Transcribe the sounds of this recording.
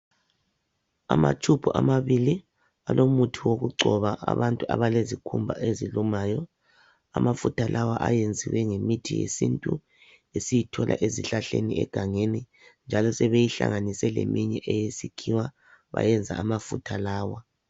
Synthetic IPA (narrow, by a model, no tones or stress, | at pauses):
amat͡ʃʰʼupʰuʔamaβili | alomutʰiwoɣuɡ͡ǀʱɔβaʔa̰βantʼua̰βalezikʰumbʱa̰ʔezilumaːjɔ | amafutʰalʔawaʔajend͡zʱiwɛŋemitʰijḛsintʼu | esijitʰɔlʔa̰ʔeziɬaɬḛniɛ̰ɡ̥ʱaŋeni | nd͡ʒʱalɔsɛβejiɬa̰ŋanisɛlḛmiɲɛʔɛjesikʰiwa | βa̰jɛnd͡zʱaamafutʰalaːwa